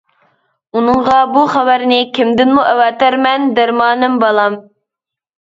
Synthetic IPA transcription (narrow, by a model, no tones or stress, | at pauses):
unɨɴʁɑbuχæwæɾnɪkʲʰimd̪ɪnmuʔɛwɑt̪æɾmɛnd̪æɾmɑːnɨmbɑlˠɑm